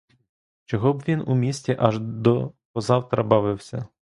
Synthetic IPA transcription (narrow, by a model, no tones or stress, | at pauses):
t͡ʃɔɦɔbʋʲinumʲisʲtʲiʔɐʒd̪ɔpɔzɑwt̪ɾɐbɑʋɪwsʲɐ